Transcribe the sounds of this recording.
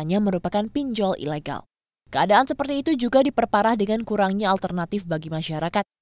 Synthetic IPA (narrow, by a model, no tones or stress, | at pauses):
ɲaməɾupakanpiɲd͡ʒɔlʔḭleɡa̰l | kəadaːnsəpərt̪iːt̪ud͡ʒuɡadipərpaɾahdəŋankuɾaŋɲaːlt̪ərnat̪ɪfbaɡimaʃaɾakat̪̚